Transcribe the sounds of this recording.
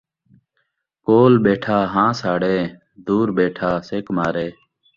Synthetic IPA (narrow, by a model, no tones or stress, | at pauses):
koːlbeːʈʰaːɦãːsaːɽeː | d̪uːɾbeːʈʰaːseːkmaːɾeː